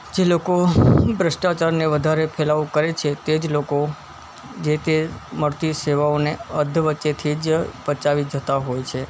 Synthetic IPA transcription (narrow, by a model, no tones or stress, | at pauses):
d͡ʒelokobɾəʃʈat͡ʃaɾneʋəd̪ʱaɾepʰelaukəɾet͡ʃʰet̪ed͡ʒloko | d͡ʒet̪eməɭt̪iseʋaoneəd̪ʱəʋətːʃet̪ʰid͡ʒpət͡ʃaʋid͡ʒət̪aɦojt͡ʃʰe